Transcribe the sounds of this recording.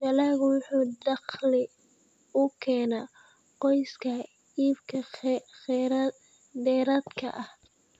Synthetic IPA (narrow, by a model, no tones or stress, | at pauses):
ʃɐlaːɣwʊħuːd̪ɑqlɪ | ʊkʰɛːna | qɔjskʰɐ | iːbkʰɐ | d̪ɛːɾɐːd̪kʰɐ̰ʔɐh